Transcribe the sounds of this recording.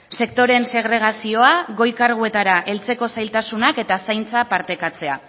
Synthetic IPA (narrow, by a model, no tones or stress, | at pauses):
se̞k̚t̪o̞ɾe̞nse̞ɣ̞ɾe̞ɣ̞asio̞aɣo̞jkaɾɣ̞ue̞t̪aɾaʔe̞lt͡se̞ko̞sajlt̪asunake̞t̪asajnt͡sapaɾt̪e̞kat͡se̞a